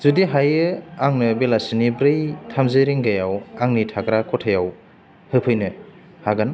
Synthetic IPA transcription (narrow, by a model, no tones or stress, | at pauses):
zudiɦajɯaŋnɯbelasinibɾɯjtʰamzɯɾiŋɡajawaŋnitʰaɡɾakʰɔtʰajaw | hɯpʰɯjnɯ | haɡan